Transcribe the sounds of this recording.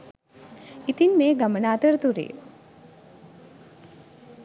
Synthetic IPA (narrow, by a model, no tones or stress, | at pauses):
it̪inmeːɡamənaːt̪əɾt̪uɾḛː